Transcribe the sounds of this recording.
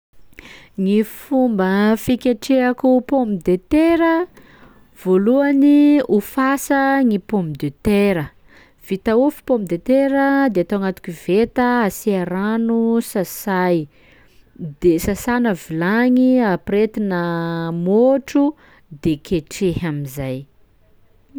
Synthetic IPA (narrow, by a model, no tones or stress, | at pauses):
ŋifumbəfikʲeʈ͡ʂeakupombid̪et̪eɾə | v̥oluaniufasəŋipombid̪et̪eɾə | v̥it̪aufi̥pombid̪et̪eɾəd̪eat̪oaŋat̪u̥kivet̪əasiaɾanusasaj | d̪esasanəvilaɲiapret̪inəmoʈ͡ʂu | d̪ekeʈ͡ʂehamizaj